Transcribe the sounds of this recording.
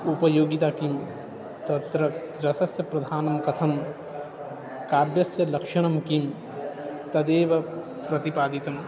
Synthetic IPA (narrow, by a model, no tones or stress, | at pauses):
upɐjoːɡit̪aːkim | t̪ɐt̪ɾɐ | ɾɐsɐsjɐpɾɐd̪ʱaːnɐmkɐt̪ʰɐm | kaːbjɐsjɐlɐkʂɐɽ̃ɐmkim | t̪ɐd̪eːʋɐ | pɾɐt̪ipaːd̪it̪ɐm